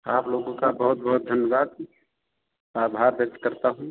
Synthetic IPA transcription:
aːploːɡõkabəɦʊt̪̚bəɦʊt̪̚d̪ʱənjəbaːd̪ | aːbʱaːɾbət̪kəɾt̪aɦũ

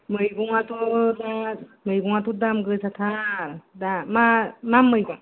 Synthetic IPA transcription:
mɯjɡɔŋat̪ɔdamɯjɡɔŋat̪udamɡɯjsʰat̪ʰaɾdamamamːɯjɡɔŋa

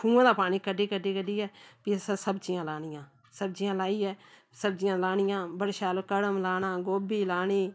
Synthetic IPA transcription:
kʰũːãːd̪aːpaːniːkəɖeːkəɖeːkəɖiːɦɛːpisəsəbt͡ʃɪjãːlaːnɪjãː | səbd͡ʒijãːlaːiːɦɛː | səbd͡ʒɪjãːlaːnɪjãːbəɽʃaːlkəɽəmlaːnãːɡoːbiːlaːniː

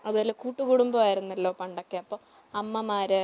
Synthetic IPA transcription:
ɐðɐlːokuːʈːuɣuɽumbɐaːjiɾunːɐlːo̞ːpɐɳɖokːeɐpːoː | ɐmːɐmaːɾɨ

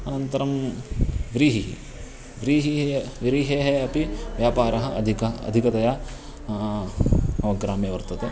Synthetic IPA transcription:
ɐnɐnt̪ɐɾɐm | ʋɾiːɦiɦḭ | ʋɾiːɦiʋɾiːɦeːɦeɐpiʋjaːpaːɾɐɦɐɐ̰d̪ʱikɐɐ̰d̪ʱikɐt̪ɐjaː | ɐʋɐɡɾaːmjɐʋɐɾt̪ɐt̪e

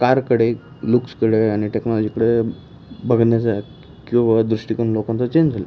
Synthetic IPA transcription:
kaɾkəɽe | lukskəɽeaɽ̃iʈeknɔlɔd͡ʑikəɽe | bʱəɡnjat͡sa | kĩʋad̪ɾuʂʈikəɳlokãnt͡sət͡ɕeɲd͡ʑd͡zʱalə

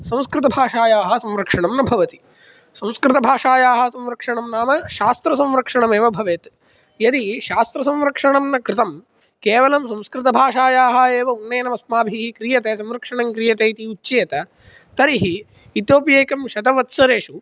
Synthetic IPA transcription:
sɐ̃wskɾɪt̪ɐbʱaːʂaːjaːɦɐsɐ̃mɾɐkʂɐɳɐmnɐbʱɐʋɐt̪i̥ | sɐ̃w̃skɾɪt̪ɐbʱaːʂaːjaːɦɐsɐ̃mɾɐkʂɐɳɐmnaːmɐʃaːst̪ɾɐsɐ̃mʋɾɐkʂɐɳɐmeːʋɐbʱɐʋeːt̪ | jɐd̪iʃaːst̪ɾɐsɐ̃mʋɾɐkʂɐɳɐmnɐkɾɪt̪ɐm | keːʋɐlɐmsɐ̃wskɾɪt̪ɐbʱaːʂaːjaːɦɐeːʋɐunːɐjːɐnɐmɐsmaːbʱiɦikɾijɐt̪eːs̬ɐ̃mɾɐkʂɐɳɐŋkɾijɐt̪eːit̪iut͡ʃːt͡ʃeːt̪ɐ | t̪ɐɾiɦiː | t̪joːpjeːkɐmʃɐd̪ɐʋɐt̪sɐɾeːʂu

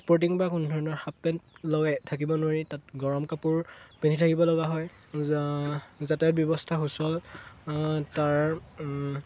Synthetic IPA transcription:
spɔɹt̬iŋbakundʱɔɹɔnɔɹxapːɛntlɔɡɛtʰakibɔnoɹitat̚ɡɔɹɔmkapuɹpenitʰakibɔlɔɡaɦɔj | zatɛjɔt̚bjɔbɔstʰaxusɔl | taɹ

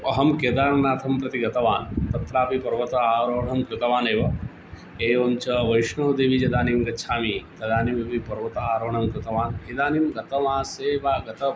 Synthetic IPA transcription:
ɐɦɐmkeːd̪aːɾɐnaːt̪ʰɐmpɾɐt̪iɡɐt̪ɐʋaːnt̪ɐt̪ɾaːpipɐɾʋɐt̪ɐaːɾoːɳɐmkɾɪt̪ɐʋaːneːʋɐ | eːoːmt͡ʃɐʋɐjʂɳoːd̪eːʋid͡ʒɐd̪aːnimɡɐtːʃʰaːmit̪ɐd̪aːnimeʋipɐɾʋɐt̪ɐaːɾoːɳɐmkɾɪt̪ɐʋaːnɦid̪aːnimɡɐt̪ɐmaːseːʋaːɡɐt̪ɐ

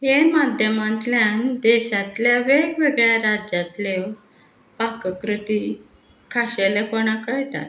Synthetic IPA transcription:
ɦemad̪ʱjəmãnt̪ljand̪ɛɕat̪ljaʋeɡʋeɡɭjaɾad͡ʑjat̪le | pakəkɾut̪i | kʰaɕelekoɽ̃akəɭʈa̰t̪

